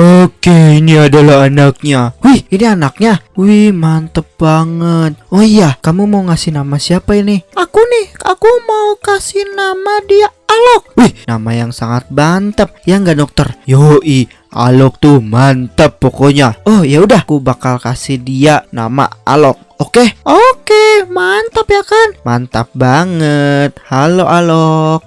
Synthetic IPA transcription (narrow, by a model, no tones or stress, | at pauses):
okeiniadalaɦanak̚ɲawihinianak̚ɲawihmant̪əp̚baŋət̪̚oijakamumauŋasɪhnamasiapainɪhakunɪha̰kumaukasɪhnamadiaalɔk̚wihnamajaŋsaŋat̪̚bant̪əp̚jaŋɡadɔk̚t̪ərjoʔi | ʔa̰lɔk̚t̪umant̪əpːokoɲaɔhjaudahkubakalkasihdiana̰ma̰a̰lɔk̚okeʔokemant̪əpjakanmant̪əp̚baŋət̪̚haloʔalɔk̚